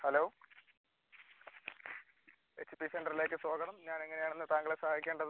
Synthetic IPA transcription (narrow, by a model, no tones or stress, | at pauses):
hɐloː | esipiseɳɖɐrile̞ːk̬ːɨsoːɡɐɳɐmɲaːneŋːɐnejaːɳenːɨt̪aːŋɡɐɭesɐhaːjikʲːeːɳɖɐð